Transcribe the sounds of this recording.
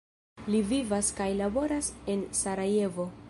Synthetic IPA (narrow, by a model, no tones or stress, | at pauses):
livivaskajlabo̞ɾase̞nsaɾaje̞vo̞